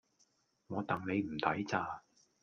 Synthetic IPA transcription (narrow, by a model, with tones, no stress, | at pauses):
ŋɔː˨˧t̪ɐ˨ŋne˨˧jm̩˨˩t̪ʰɐ˨˥jt͡saː˨˧